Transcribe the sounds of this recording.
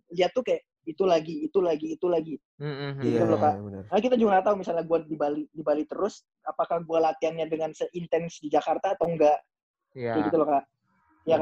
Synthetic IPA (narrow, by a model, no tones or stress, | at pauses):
liat̪ːuhkajaʔ | it̪ulaɡiːt̪ulaɡiːt̪ulaɡi | aɡit̪ulɔkaʔkaakit̪ad͡ʒuŋalat̪aumisalɲaɡuadibalidibalit̪əɾʊs | apakahɡualat̪ianɲadəŋansəʔint̪ɛnsdid͡ʒakart̪aːt̪aŋɡaʔ | d͡ʒaɡit̪alɔkaʔ | ja